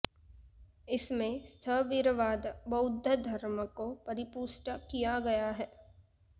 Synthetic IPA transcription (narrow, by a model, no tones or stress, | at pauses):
ɪsmẽst̪ʰəʋɪɾʋaːd̪bɐʊd̪ʱːəd̪ʱɐɾməkopɐɾɪpuːʃʈəkijaɡɐjaɦɛː